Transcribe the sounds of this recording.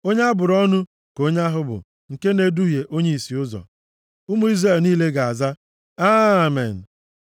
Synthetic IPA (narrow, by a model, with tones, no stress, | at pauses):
o˦ɲa˦bʊ˨ɾɔ˦nʊ˦ | ko˦ɲa˦ɦʊ˦bʊ̰˨ | ŋ̩˨ke˦ne˦du˦je˨ʔo˦ɲe˦i˨si˨ʊ˦zɔ̰˨ | ʊ˦mu˦i˦zre˨lniː˦le˦ɡa˨a˨za˦ | a˦mḛ˨n̩˨